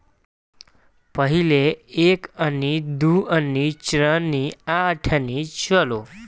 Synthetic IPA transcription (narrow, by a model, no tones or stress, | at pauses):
pəɦileekənid̪uʔənːit͡ɕɾənːiaʈʰənit͡ɕəlo